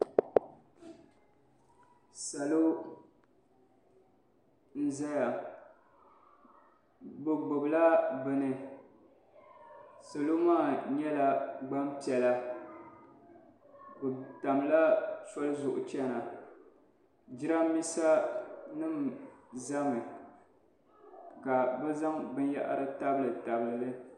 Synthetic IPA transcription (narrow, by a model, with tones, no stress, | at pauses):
sa˨lo˦ | n̩˦za˦ja˨ | bɨ˨ɡ͡bʊ˨bla˦bɨ˨nɨ˨ | so˨lo˦maː˦˨ɲɛ˦la˨ɡ͡ba˦mpi˨ɛ˨la˦ | bɨ˨ta˨m˨la˦sɔ˦lɨ˦zʊ˨ʔʊ̰˨t͡ʃɛ˦na˨ | d͡ʒɪ˦ɾa˦mi˦sa˦nɨ˦mza˦mɨ˨ | ka˨bɨ˦za˦ŋbɨ˦n˦ja̰˦ʔa̰˦ɾɨ˦ta˦bɨ˦lɨ˨ta˨bɨ˨lɨ˨lɨ˦